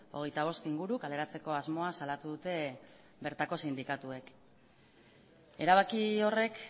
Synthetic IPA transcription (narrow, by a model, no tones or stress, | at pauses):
o̞̰ɣ̞e̞jt̪aβ̞o̞st̪iŋɡuɾukale̞ɾat͡se̞ko̞azmo̞asalat̪uðut̪e̞ | be̞ɾt̪ako̞sind̪ikat̪ue̞k | e̞ɾaβ̞akio̞re̞k